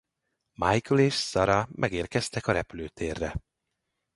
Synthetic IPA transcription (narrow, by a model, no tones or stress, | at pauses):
majkoleːʃsɒɾɒmʔɛɡeːrkɛst̪ɛkɒɾɛpyløːt̪ʰeːrːɛ